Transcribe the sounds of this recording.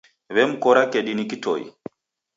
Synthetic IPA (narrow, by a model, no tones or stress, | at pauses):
βɛm̩kɔɾakɛɗinikitɔ̰ḭ